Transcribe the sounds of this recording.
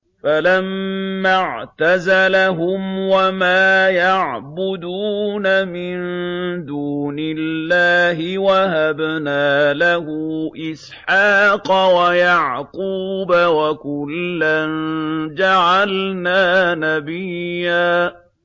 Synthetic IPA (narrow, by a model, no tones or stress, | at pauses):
falamːaʕt̪azalaɦʊmwamaːjaʕbʊd̪uːnamɪnd̪uːnɪlːaːɦɪwaɦabnaːlahʊʔɪs | ħɑːqɑwajaʕquːbawakʊlːand͡ʒaʕalnaːnabɪjːaː